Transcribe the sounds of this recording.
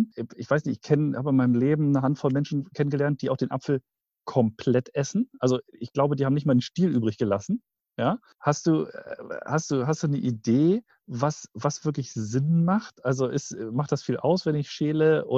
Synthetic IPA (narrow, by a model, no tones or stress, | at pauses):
ɪçv̥aɪsnɪçtɪçkʰɛnəhaːbəɪnmaɪnəmleːbm̩nəɦantfɔlmɛnʃn̩kʰɛnənɡəlɛɐnt̚d̥iːʔaʊxd̥eːnʔapfl̩ | kʰɔmpʰl̥ɛtʔɛsn̩ʔalzoɪçɡ̥laʊbədihaːbmnɪçtmaɐdenʃtiːlʔyːbʁɪçɡ̥əlasn̩ | jaː | hastd̥uːhast̚d̥uːɦastd̥uːnəʔideː | vasvasv̥ɪɐklɪçzɪnmaχtʔalzoʔɪstːmaχtd̥asfiːlʔa̰ʊsv̥ɛnɪçʃeːləʔʊ̰